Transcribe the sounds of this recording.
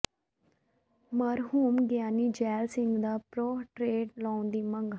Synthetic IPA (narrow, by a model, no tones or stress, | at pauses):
məɾɦuːmɡjaːniːd͡ʒɛːlsɪ̃ŋɡd̪aːpɾoːʈɾeːɖlãːnd̪iːməŋɡ